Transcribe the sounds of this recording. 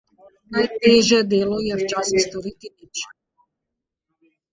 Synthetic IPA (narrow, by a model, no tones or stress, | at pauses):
najt̪ɛʒɛd̪ɛlɔjɛft͡ʃasst̪ɔɾit̪init͡ʃ